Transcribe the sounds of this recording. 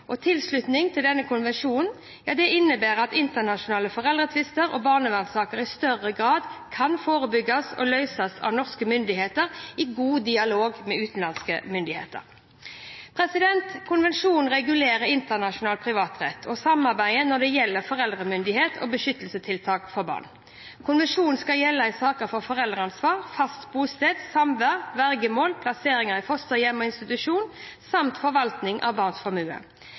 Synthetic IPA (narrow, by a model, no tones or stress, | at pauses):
ʔɔt̪ʰɪlslʉt̪nɪŋt̪ʰɪld̪ɛnːəkʰʊnʋɛnʂuːn | jɑːd̪ɛʔɪnːəbæːʁɑt̪ɪnt̪ənɑʃʊnɑːləfɔʁɛld̪ʁət̪ʰʋɪst̪əɾʔɔ̰bɑːʁnəʋænsɑːkəʁɪst̪œʁəɡʁɑːd̪kʰɑnfoːʁəbʏɡːɑsɔ̰lœʏsɑsɑ̰ʋnɔʁskəmʏnd̪ɪheːt̪əʁɪɡuːd̪ɪɑloːɡmɛʉːt̪n̩lɑnskəmʏnd̪ɪhḛːt̪ə̰ʁ | pʰʁɛsɪd̪ɛnt̪kʰʊnʋɛnʂuːn̩ʁɛɡʉleːɾəɾɪnt̪ənɑʂʊnɑːlpʰʁɪʋɑːt̪ʁɛt̪ːʰɔsɑmɑɾbæɪənɔd̪ɛjɛlːəfɔʁɛld̪ʁəmʏnd̪ɪheːt̪ʰo̰ːbəʃʏt̪ːəlsət̪ʰɪlt̪ʰɑːkfɔɾbɑ̰ːʁn | kʰʊnʋɛnʂuːnn̩skɑljɛlːəɪsɑːkəfɔfɔʁɛld̪ʁɑnsʋɑːʁfɑst̪buːst̪eːd̪sɑmʋæʁʋæʁɡəmoːlpʰlɑseːɾɪŋəɾɪfɔst̪əjɛmːɔɪnst̪ɪt̪ʉʂuːnsɑmt̪fɔɾʋɑlt̪nɪŋʔɑ̰ʋbɑːʁnsfɑmʉːə̰